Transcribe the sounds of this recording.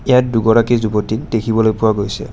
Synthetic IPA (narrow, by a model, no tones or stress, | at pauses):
ejat̚duɡɔɹakizubotik̚dekʰibɔlojpʊwaɡojsɛ̰